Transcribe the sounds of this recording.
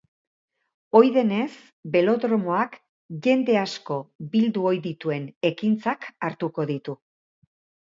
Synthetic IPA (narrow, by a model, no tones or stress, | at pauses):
o̞jðe̞ne̞s | be̞lo̞ðɾo̞mo̞ak | ʝe̞nd̪e̞asko̞bild̪uo̞jðit̪ue̞ne̞kint͡sakaɾt̪uko̞ðit̪u